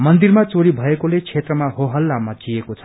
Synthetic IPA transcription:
mʌnd̪irmat͡soɾibʱʌekolet͡sʰet̪rʌmaɦoɦʌlːamːʌd͡zijekot͡sʰʌ̥

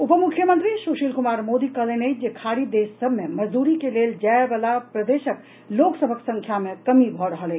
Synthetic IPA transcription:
upəmukʰjəmənt̪ɾisuʃilkumaɾmod̪ikəɦlenəd͡ʒekʰaɾid̪esːəbʱmeməd͡ʒd̪uɾikeleld͡ʒaebəlapɾəd̪esək | loksəbʱəksə̃ŋkʰjamekəmibʱɔɾəɦəle

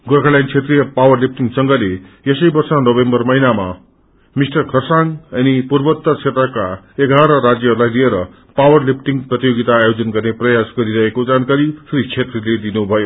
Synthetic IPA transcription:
ɡorkʰalant͡sʰet̪rijʌpawʌrlip̚ʈiŋɡsʌŋɡʌlejʌsʌjbʌrsʌnʌbembʌrmʌɦinama̰ | misʈʌrkʰʌrsaŋʌnipurbʌt̪ːʌt͡sʰet̪rʌka | eɡʱaɾʌɾad͡zjʌɦʌɾulajlieɾʌ | pawʌrlip̚ʰʈiŋɡprʌt̪ijoɡit̪aːjod͡zʌnɡʌrneprʌjasɡʌɾiɾʌɦekod͡zankaɾisuɾit͡sʰet̪riled̪inubʱʌjo

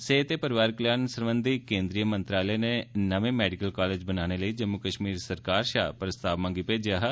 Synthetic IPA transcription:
seːt̪eːpəɾɪʋaːɾkljaːnsəɾʋənd̪ikẽːnd̪ɾijəmə̃nt̪ɾaːləeːneːnəʋẽːmɛːɖɪkəlkaːleːd͡ʒbənaːñeːləiːd͡ʒəmːʊkəʃmiːɾsəɾkaːɾʃa̰ːpɾəst̪aːʋmãːŋɡiːpeːd͡ʒjaːɦ

